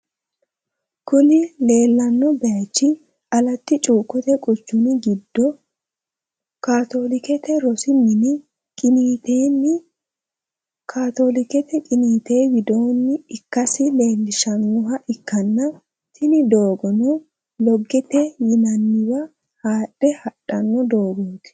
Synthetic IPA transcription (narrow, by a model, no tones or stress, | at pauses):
kʊnɪle̞ːlːɐnːɔbɛɐt͡ʃːɪ | ɐlɐt̪ːɪt͡ʃʼuːkːɔt̪ɛkʼʊt͡ʃːʊnɪɡɪd̪ːɔ | kaːt̪o̞ːlɪkɛt̪ɛɾɔsɪmɪnɪ | kʼɪniːt̪eːnːɪ | kʰaːt̪o̞lɪkɛt̪ɛkʼɪniːt̪e̞ːwɪd̪o̞ːnːɪɪkːɐsɪle̞ːlːɪʃɐnːɔɦɐʔɪkːɐnːɐ | t̪ʰɪnɪd̪o̞ːɡɔnɔ | lɔɡːɛt̪ɛjɪnɐnːɪwɐ | haːɗɛhɐᶑɐnːɔd̪o̞ːɡɔnt̪ɛ̥